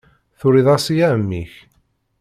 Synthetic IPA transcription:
θʊɾiðˤɑsijæmːiç

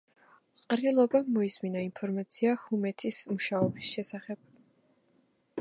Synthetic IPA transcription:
qʼɾilˠɔbamɔisminainpʰɔɾmat̪sʰiahumɛt̪ʰismuʃaɔbisʃɛsaχɛb̥

